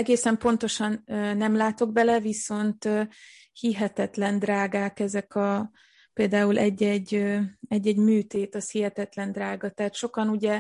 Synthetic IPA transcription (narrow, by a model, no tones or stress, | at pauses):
ɛɡeːsɛmpo̞nt̪o̞ʃɒnːɛmlaːt̪o̞ɡbɛlɛviso̞nt̪ø | hiɦɛt̪ɛt̪lɛnd̪raːɡaːkɛzɛkʰɒ | peːld̪aːulʔɛɟːɛɟːøɛɟːɛɟmyːt̪eːt̪ɒshiɦɛt̪ɛt̪lɛnd̪raːɡɒt̪ɛɦaːt̪ʃo̞kɒnuɟɛ